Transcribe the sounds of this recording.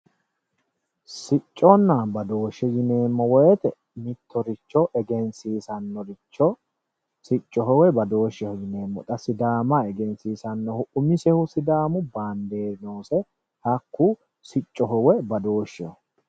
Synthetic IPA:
sɪt͡ʃʼːɔnːabɐd̪o̞ːʃːɛjɪne̞ːmːɔwɔjɛt̪ɛ | mɪt̪ʰːɔɾɪt͡ʃːɔʔɛɡɛnsiːsɐnːɔɾɪt͡ʃːɔ | sɪt͡ʃʼːɔɦɔwɛbɐd̪o̞ːʃːɛhʊjɪneːmːɔ̰t̪ʼɐsɪd̪aːmaɛɡɛnsiːsɐnːɔhʊʔʊmɪsɛhʊsɪd̪aːmʊbaːnd̪eːno̞ːsɛ | hɐkːu | sɪt͡ʃʼːɔɦɔwɛbɐd̪o̞ːʃːɛɔ

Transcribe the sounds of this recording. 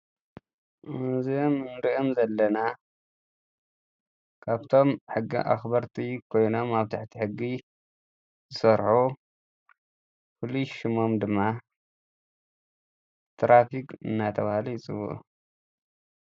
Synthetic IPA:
ʔɨnziomnɨɾiʔomzɐlːɐna | kʰaβt̪ʰo̞mħɨɡḭʔa̰xbɐɾt̪ʰikʰo̞jno̞maβt̪ʰaħt̪ʰiħɨɡːi | zɨsɐɾħu | fɨluʃɨmo̞md̪ɨmːa | t̪ɾafikʼɨ̰nːat̪ʰɐβahalijɪt͡sʼɨβṵʔṵ

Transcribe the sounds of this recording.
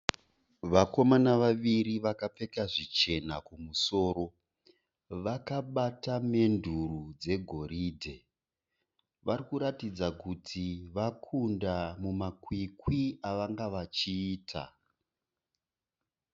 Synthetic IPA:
ʋako̞manaʋaʋiɾiʋakap͡fe̞kaʐit͡ʃe̞nakumuso̞ːɾo̞ | ʋakaɓatame̞ndʱurud͡ze̞ɡʱo̞ɾiːdʱe̞ | ʋaɾikuɾatid͡zakutʰiʋakʰundamumakwikwiaʋaŋɡaʋat͡ʃiːtʰa̰

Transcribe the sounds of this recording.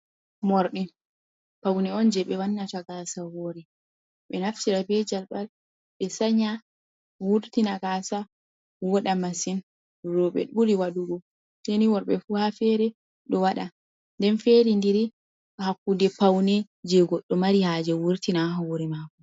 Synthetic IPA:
mɔɾɗi | pawnɛɔnd͡ʒɛɓɛwanːataɡasawoɾi | ɓɛnaft͡ʃiɾabɛd͡ʒalɓal | ɓɛsaɲa | wuɾtinaɡasa | wɔɗamasin | ɾɔɓɛ̰ɗuɾiwaɗuɡɔ | teniwɔɾɓɛfuhafɛɾɛ | ɗɔwaɗa | ndɛnfeɾindiɾi | hakːudɛpawnɛ | d͡ʒɛɡɔɗːɔmaɾihad͡ʒɛwuɾtinaɦawuɾimaːkɔ

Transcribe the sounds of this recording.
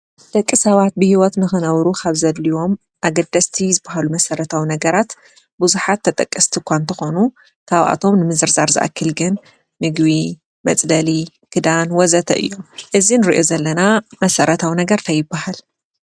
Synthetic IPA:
d̪̥ɐkʼːɨsɐβat̪̚bɨhiwɔt̪nɨxɨnɐwɾukʰaβzɐlːiwo̞m | ʔaɡɐd̪ɐst̪ʰizɨbːaɦalumɐsɐɾɐt̪ʰawinɐɡɐɾat̪ | buzuħat̪ʰːɐt̪ʼɐkʼːɐst̪ʰikʷʰant̪ʰɐxonu | kʰaβʔa̰t̪ʰo̞mnɨmɨzɨɾzaɾzɨ̰ʔa̰kʰːɨlɡɨn | mɨɡβi | mɐt͡sʼd̪ɐli | kʰɨd̪anwɔzɐt̪ʰɐ̰ʔɨ̰jːomʔɨzinɨɾiʔozɐlːɐnamɐsɐɾʔɐt̪ʰawinɐɡɐɾt̪ʰɐjɪbːahal

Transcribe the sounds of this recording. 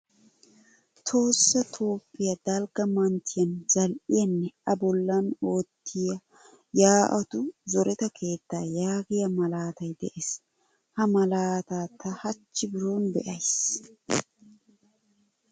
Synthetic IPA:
t̪ʰo̞ːsːɐt̪ʰo̞ːpːɪjɐd̪ɐlɡɐmɐnt̪ʰɪjɐnz̥ɐlʔɪjɐnːɛʔɐbɔlːɐno̞ːt̪ʰːɪjɐ | jaːʔɐt̪ʊzɔɾʔɛt̪ɐkʰe̞ːt̪ːaːjaːɡɪjɐmɐlaːt̪ɐjd̪ɛʔes | hɐmɐlaːt̪aːt̪ɐhɐt͡ʃːɪbɪɾoːnbɛ̰ʔɐjs

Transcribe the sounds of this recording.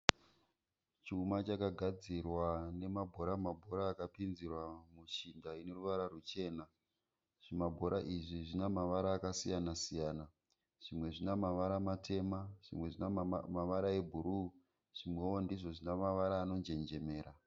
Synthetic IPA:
t͡ʃiumat͡ʃakaɡʱad͡zirwane̞mabʱo̞ɾamabʱo̞ɾaːkapind͡zirwamut͡ʃindaine̞ruʋaɾarut͡ʃe̞ːna | ʐ̥imabʱo̞ɾʔaʔiʐiʐinamaʋaɾaːkasijanasijaːna | ʐ̥imwe̞ʐinamaʋaɾamatʰe̞maʐ̥imwe̞ʐinamaʋaɾae̞bʱuɾuː | ʐ̥imwe̞wo̞ndiʐo̞ʐinamaʋaɾaːno̞nd͡ʒe̞nd͡ʒe̞me̞ːɾa

